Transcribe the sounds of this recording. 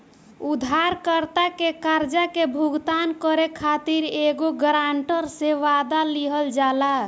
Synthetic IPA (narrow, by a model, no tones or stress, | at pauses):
ud̪ʱaɾkəɾt̪akekaɾd͡ʒakebʱuɡt̪ankəɾekʰat̪iɾeɡoɡɾaɳʈəɾseʋad̪aliɦəld͡ʒala